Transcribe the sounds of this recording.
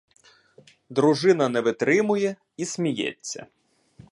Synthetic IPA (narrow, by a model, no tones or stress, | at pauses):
d̪ɾʊʒɪnɐnɛʋɪt̪ɾɪmʊjɛ | isʲmʲijɛ̰t͡sʲːɐ̰